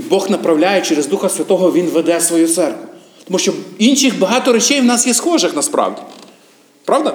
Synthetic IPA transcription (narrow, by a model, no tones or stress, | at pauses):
bɔxnɐpɾɐwlʲajɛt͡ʃɛɾezd̪uxɐsʲʋʲɐt̪ɔɦɔʋʲinʋed̪ɛsʋɔjut̪sɛrkʋʊ | t̪ɔmuʃt͡ʃɔinʃɪxbɐɦɑt̪ɔɾet͡ʃɛjwnɑsjɛsxɔʒɪxnɐspɾɑ̰wdʲi | pɾɑʋd̪ɐ